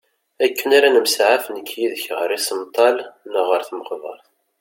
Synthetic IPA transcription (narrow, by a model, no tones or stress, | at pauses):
ækːənaɾanəmsʕafnəkʰːjiðəçʁəɾisəmt̪ˤːɑlnəʁəɾθməqðˤə̰ɾˤ